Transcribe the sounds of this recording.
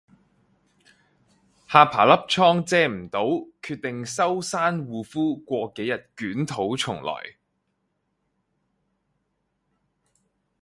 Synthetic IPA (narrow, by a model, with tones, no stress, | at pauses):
haː˧pʰaː˨˩lɐ˥p̚t͡sʰɔː˥ŋt͡sɛː˧m̩˨˩t̪o˨˥wkʰyː˧t̚t̪ɪ˨ŋsɐ˥wsaː˥nwuː˨˧fuː˥kʷɔː˧ke˨˥jɐ˨t̚kyː˨˥nt̪ʰo˨˥wt͡sʰʊ˨˩ŋlɔ̰ː˨˩j